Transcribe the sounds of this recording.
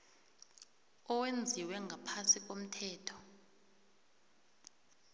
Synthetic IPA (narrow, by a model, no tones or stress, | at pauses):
ɔwend͡zʱiwɛŋɡʱapʰasik̬om̩tʰɛːtʰɔ̥